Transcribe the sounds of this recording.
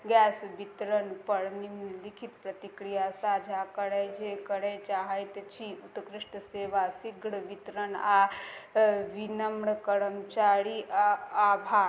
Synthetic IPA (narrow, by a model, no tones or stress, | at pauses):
ɡɛːsʋit̪ɾəɳpəɽnimnlikʰit̪pɾɐt̪ikɾijasaːd͡ʒʱakəɽejd͡ʒekəɽet͡ʃaɦəjt̪ət͡ʃiːut̪kɾiʂʈəseːʋasiɡɽəʋit̪ɾəna | ʋinəmɳəkəɾəmt͡ʃaːɾiabʱa